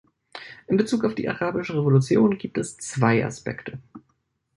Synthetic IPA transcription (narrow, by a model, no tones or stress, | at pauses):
ʔɪnbət͡suːkaʊfd̥ḭːʔa̰ʁaːbɪʃəʁevolut͡sjoːnɡiːp̚tɛst͡sv̥aɪʔa̰spɛ̰ktʰə